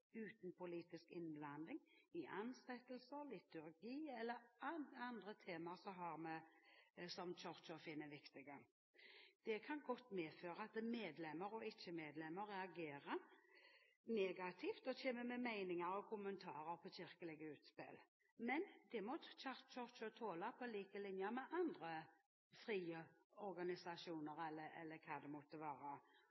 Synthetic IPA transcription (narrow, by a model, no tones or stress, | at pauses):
ʉːt̪npʰʊliːt̪ɪskɪnblɑnd̪ɪŋɪʔɑnsɛt̪ːəlsəɾlɪt̪ʉɾɡiːɛlːəɾɑɑnd̪ʁət̪ʰeːmɑsɔɦɑɾmɛ | sɔmt͡ʃɔɾt͡ʃɔfɪnːəʋɪkt̪ɪɡə | d̪̥ɛkʰɑnɡɔt̪ːmeːføːɾəɑt̪meːd̪lɛmːəɾɔɪt͡ʃːəmeːd̪lɛmːəɾɛɑɡeːɾə | neːɡɑt̪ʰɪft̪ɔtʰeːməmɛmæɪnɪŋəɾɔkʰʊmənt̪ʰɑːɾəɾpʰɔɕɪɾkəlɪɡəʉːt̪spɪ̰l | mɛnd̪ɛmɔt͡ʃɑʁt͡ʃɔt͡ʃot̪ʰoːlɑpʰɔliːkəlɪnjəmɛʔɑnd̪ɾə | fɾiːəɔɾɡɑnɪsɑʃuːnəɾɛlːəɛ̰lːəkʰɑːd̪ɛmɔt̪ːəʋɑːɾə